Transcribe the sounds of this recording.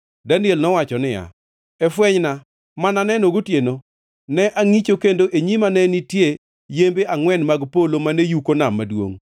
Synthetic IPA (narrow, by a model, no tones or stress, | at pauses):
dandjelnɔwat͡ʃɔnɪja̰ | ɛfwɛɲna | mananɛnoɡotjeno | nɛʔaŋit͡ʃokendoʔeɲimanɛnitje | jembeʔaŋwɛnmaɡpolomanejukonamːadwo̰ŋ